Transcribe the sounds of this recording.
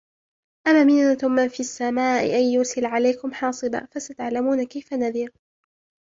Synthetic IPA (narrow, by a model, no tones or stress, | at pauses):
ʔamaːmɪnnatʊmːanfiasːamaːʔɪ̰ʔajːʊɾsɪlʕalajkʊmħɑːsˤɨba̰fasat̪aʕlamuːnakajfanaðɪɾ